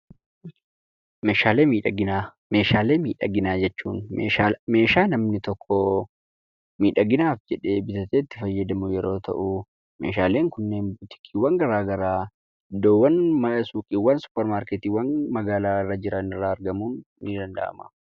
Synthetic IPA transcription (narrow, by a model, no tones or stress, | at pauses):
meːʃaːle̞ːmiːᶑɐɡɪna | meːʃaːle̞ːmiːᶑɐ̰ɡɪnaːd͡ʒɛt͡ʃːuːneame̞ːʃaːnɐmnɪt̪ɔkʰːɔ | miːᶑɐɡɪnaːfd͡ʒɛᶑe̞bɪt̪ɐt̪eːt̪ːɪ̥fɐjːɐd̪ɐmʊjɛɾo̞ːt̪ʰɐ̰ʔu | mḛːʃaːle̞ːŋkʊnːe̞ːnbʊt̪ɪ̥kʰiːwɐŋɡɐɾaːɡɐɾaː | d̪oːwːɐnmɐlɐsuːkʼiwɐnsʊ̥pːɛɾmaːɾket̪iːwɐnmɐɡaːlaːɪrːɐd͡ʒɪɾɐnɪrːaːɐɾɡɐmuːnː | id̪ɐnd̪ɐ̰ʔɐ̰mɐ̰